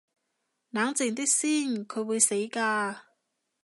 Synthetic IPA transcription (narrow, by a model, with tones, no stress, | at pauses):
naː˨˥ŋt͡sɪ˨˩ŋt̪i˥k̚siː˥˩nkʰɵ˨˧ɥwuː˨˧jse˨˥jkaː˧